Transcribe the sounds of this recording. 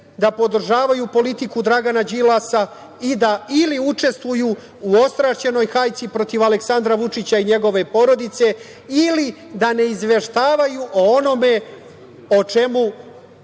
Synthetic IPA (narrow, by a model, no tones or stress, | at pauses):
d̪apo̞d̪r̩ʒaːʋajupo̞lit̪ikud̪ɾaɡanad͡ʑilasa | id̪ailiut͡ʂe̞st̪ʋuju | uo̞st̪ɾaʃt͡ɕe̞no̞jxajt̪sipɾo̞t̪iʋale̞ksand̪ɾaʋut͡ʂit͡ɕaiɲe̞ɡo̞ʋe̞po̞ɾo̞d̪it̪se̞ | ilid̪ane̞izʋe̞ʃt̪aːʋajuʔoono̞me̞ | ot͡ʂe̞mu